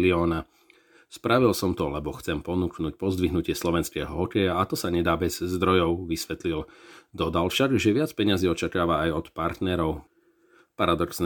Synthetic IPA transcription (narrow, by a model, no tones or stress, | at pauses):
liɔːna | spɾaʋilsɔmt̪ɔlɛbɔxt͡sɛmpɔnuknuːc̚pɔzd̪ʋiɦnucɪɛslɔʋɛnskɛ̰ːɦɔɦɔkɛjaat̪ɔsaɲɛd̪aːbɛzzd̪ɾɔjɔʊʋisʋɛt̪lild̪ɔd̪alʃaɡʒɛʋɪat͡spɛɲaziːɔt͡ʃakaːʋaːjɔt̪paɾt̪nɛɾɔʊ | paɾad̪ɔksn